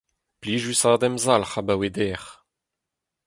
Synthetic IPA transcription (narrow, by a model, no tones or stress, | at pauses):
pliːʒysaːd̪ɛmzalχabawed̪ɛːʁ